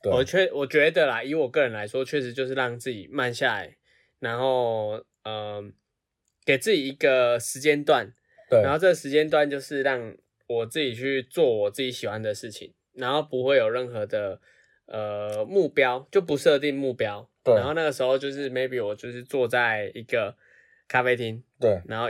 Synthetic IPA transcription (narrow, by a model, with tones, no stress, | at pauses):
wɔ˨˩t͡ɕʰɛ˥˩wɔ˨˩t͡ɕɥɛ˧˦˥d̪ə˨la˨i˧˦wɔ˨˩kɤ˥˩ɻə˧˦nla˧˥ɪʂwɔ˥t͡ɕʰɥɛ˥˩ʂɻ̩˧˥t͡ɕjo˥˧ʊʂ̬̩˥˧ɻɑ˥˧ŋt͡sɹ̩˥˩t͡ɕḭ˨˩ma˥˧nɕja˥˩la̰˨˩ɪ | na˧˦nxo˥˩ʊ | ə˩ | ke˨˩ɪt͡sɹ̩˥˩t͡ɕi˨˩i˧˦ɡə˨ʂɻ̩˧˥t͡ɕjɛ˦nt̪wa˥˨˩n | a˥˩˨nxo˥˧ʊt͡sə˥˩ə˩ʂɻ̩˧˥t͡ɕjɛ˥nt̪̬wa˥˨nt͡ɕjo˥˧ʊʂɻ̩˥˧ɻɑ˥˩ŋ | wɔ˨˩t͡sɹ̩˥˩t͡ɕi˨˩t͡ɕʰy˥˧t͡swɔ˥˩wɔ˨˩t͡s̩˥˩t͡ɕi˧˥ɕi˨˩xwa˧˦nd̪ə˨ʂɻ̩˥˩t͡ɕʰḭ˨˩ŋ | na˧˦nxo˥˩ʊpu˧˥xwe˥ɪjo˨˩ɻə˥˩nxɤ˧˦d̪ə˨ | ə˨mu˥˩pjɑ˦ʊt͡ɕjo˥˩ʊp̬u˧˦ʂɤ˥˧t̪̬i˥˧ŋmu˥˩pjɑ˦ʊna˨˦nxo˥˧ʊna˥˩ɡə˩ʂɻ̩˧˥xo˥˧ʊt͡ɕjo˥˧ʊʂ̬ɻ̩˥˩me˥˧˥ɪpi˨˥wɔ˨˩t͡ɕjo˥˧ʊʂɻ̩˥˧t͡swɔ˥˧t͡sa˥˩ɪi˧˥ɡə˨ | kʰa˥fe˥ɪt̪ʰi˦ŋ˥˩na˧˥nxo˥˩